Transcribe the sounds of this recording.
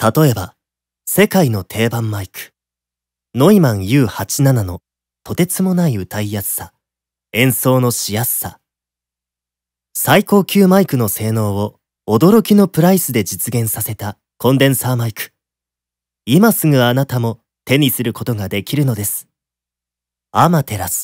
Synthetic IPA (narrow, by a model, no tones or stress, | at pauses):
t̪at̪o̞e̞ba | se̞kaino̞t̪ʰe̞ːbãmːaikɯ̟̥ | no̞imãɰ̃jɯːhat͡ɕinanano̞ | t̪o̞t̪e̞t͡sɨmo̞naiɯ̟t̪aijasːa | ẽ̞ɰ̃so̞ːno̞ɕijasːa | saiko̞ːkʲɨːmaikɯ̟no̞se̞ːno̞ːβo̞ː | d̪o̞ɾo̞kʲino̞pɯ̟ɾaisɨd̪e̞d͡ʑit͡sɨɡẽ̞ɰ̃sase̞t̪a | kõ̞nd̪ẽ̞ɰ̃saːmaikɯ̟̥ | imasɨŋɯ̟anat̪amo̞ | t̪e̞ɲ̟isɨɾɯ̟ko̞t̪o̞ɡad̪e̞kʲiɾɯ̟no̞d̪e̞sɨ̥ | amat̪e̞ɾasɨ̥